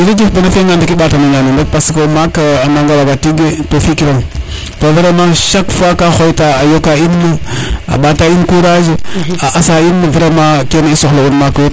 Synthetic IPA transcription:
iɾad͡ʒifbanafeŋandakiɓatanaɲanndak̚paskamakaanaŋɡalabatiɡetofikiɾaŋ | tovəɾamaʃakfakaxojitaajokainməa̰ɓatainkuɾaʒiaʔasainəvəɾamakenaisoxlounmaku

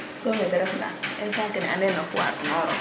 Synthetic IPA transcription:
sɔmɛd̪ɐɾɛfna̰ʔɪnsaːŋkɐnɛʔanɛnɐfʊa̰ɾnɔɾɔ̰

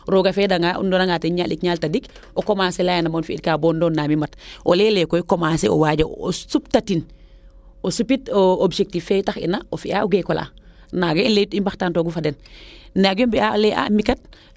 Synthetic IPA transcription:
ɾoɡafeːdaŋaṵndonaŋɡateɲalikɲaltadik | okomaːselaːjanamonfiit̚kaːbondonːamimɐto̰leːlekojikomaːseʔo̰waɟao̰suptatin | osupitoobd͡ʒek̚tifːetaxḭnaofiaoɡekola̰ː | naɡainletimbaxtaːntoɡufadennaɡjombiaoleʔa̰mikat̚

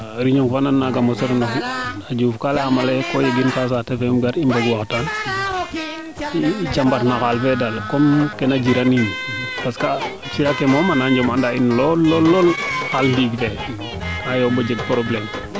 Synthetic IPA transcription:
ɾiɲoŋfananːaɡamosoɾnafiad͡ʒufkaleamalekojeɡinkas̬atefemɡaɾimbaɡwaktan | t͡ʃambatnakalfedalkomkenad͡ʒiɾaniɲpaska | t͡ʃiɾakemomanaɲd͡ʒomandainlɔɔlːolkaldiɡte | ajobod͡ʒeɡ̚pɾoblem

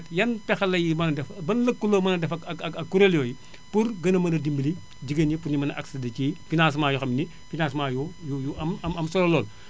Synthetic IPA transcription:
tjɐnpɛxɐlɐjimɐnɐdɛfbɐnlɐkːulomɐnɐdɛfɐɐɐɐkːuɾeljɔːji | purɡɐnɐmɐnɐdimbili | ɟiɡɐɲipuɲimɐnɐʔɐ̰ksɐdɐcifinaːnsmaːjuxɐmni | finansmaːjujujuɐmɐmɐmsɔɾɐlɔːl

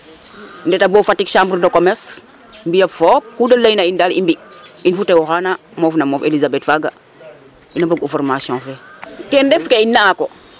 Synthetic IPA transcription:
ndɛtaboːfatːikʃambɾdokomɛs | mbijɐfɔːp̚kudɐlːajnaindalḭmbiinfutewɔxanamɔːfnamɔːfelizabɛtfaɡa | inɐboɡufɔrmasjɔ̃fɛkɛndɛfkeinːako

